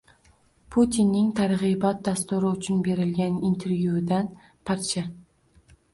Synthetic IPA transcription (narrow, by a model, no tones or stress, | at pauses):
pʰut̪ʰinːɪŋt̪ʰaɾʁibɒt̪̚d̪ast̪ʊɾɪʊt͡ʃʰʊnbe̞ɾɪlɡʲanint̪ʰe̞ɾvjud̪an | pʰaɾt͡ʃʰa